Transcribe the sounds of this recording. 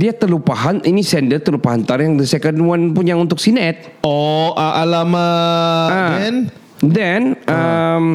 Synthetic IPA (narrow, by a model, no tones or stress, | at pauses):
diat̪əlupaɦaninisɛndərt̪əlupaɦant̪arjaŋdəsɛkənwanpuɲaunt̪ʊk̚sinɛt̪̚ | ɔʔaʔalamaaɛn | dɛnəm